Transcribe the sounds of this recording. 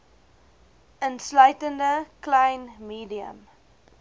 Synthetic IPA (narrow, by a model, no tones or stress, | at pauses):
ʔənslœɥtəndəkləjnmiːdiə̰m